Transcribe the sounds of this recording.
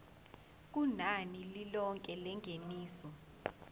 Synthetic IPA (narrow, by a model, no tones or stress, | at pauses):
k̬unanililɔŋkʼɛlɛŋʱeniːsɔ